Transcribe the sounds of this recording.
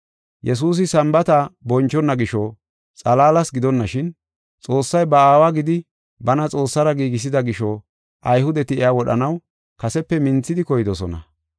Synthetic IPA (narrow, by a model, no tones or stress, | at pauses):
jɛs̬uːs̬ɪsɐmbɐt̪abɔnt͡ʃːɔnːɐɡɪʃɔ | t͡sʼɐlaːlɐsɡɪd̪ɔnːɐʃɪn | t͡sʼo̞ːsːɐjbɐaːwaɡɪd̪ɪ | bɐnɐt͡sʼo̞ːsːɐɾɐɡiːɡɪs̬ɪd̪ɐɡɪʃɔ | ʔɐjhʊd̪ɛt̪ɪɛawɔɗɐ̰nɐw | kɐsɛpːɛmɪnt͡sːɪd̪ɪkɔjɪd̪ɔsɔ̰nɐ̰